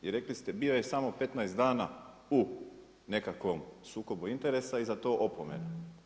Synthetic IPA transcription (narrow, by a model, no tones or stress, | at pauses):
iɾe̞klist̪ebiːojesamo̞pe̞t̪najsd̪aːna̰ | u | ne̞kakʋomsuːko̞buint̪eɾe̞saizat̪o̞ːʔopomḛno